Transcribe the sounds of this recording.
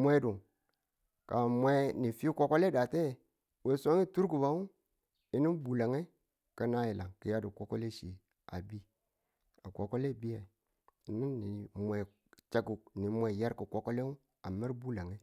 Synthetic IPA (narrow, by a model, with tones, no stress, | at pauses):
mʷe˦du˨ŋ | ka˨mʷe˦ni˨fi˦ko˦ko˦le˦da˨te˦˨ | we˨so˦ŋi˦tu˦ɾku˨ba˦u˦ | i˦ni˦bu˨la˨ŋe˦ | ka˦na˦ji˨la˨ŋki˨ja˦du˨ko˦ko˦le˦ʃi˨ | a̰˨bi˦ | a˨kʷo˨ko˦le˦˨bi˦ja˨i˨ | i˨ni˦nːi˨mʷe˨ | t͡ʃa˦ɡu˨kni˨mʷe˨ja˦ɾki˨ko˦ko˦le˦u˦ | a˨ma˦ɾbu˦la˨ŋe˦